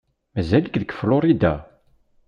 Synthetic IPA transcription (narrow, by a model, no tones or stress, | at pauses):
mæzæləkðəkflʊɾˤid̪a̰